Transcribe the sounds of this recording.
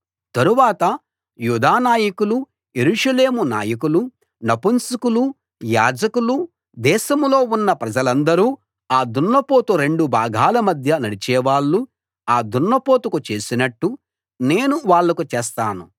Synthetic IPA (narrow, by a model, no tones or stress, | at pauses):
t̪ɐɾuʋaːt̪ɐ | juːd̪aːnaːjikulu | jeɾuʂɐle̞ːmuna̰ːjɐk̬ulu | nɐpunsukulu | jaːd͡ʒɐkulu | d̪ɛːʃɐmlo̞ːunːɐpɾɐd͡ʒɐlɐnd̪ɐɾuː | aːd̪unːɐpo̞ːt̪uɾe̞ɳɖubʱaːɡʱaːlɐmɐd̪ʱjɐnɐɽit͡ʃɛːʋaːɭːu | aːd̪unːɐpo̞ːt̪ukut͡ʃe̞ːsinɐʈːu | ne̞ːnuʋaːɭːɐkut͡ʃɛːst̪aːnu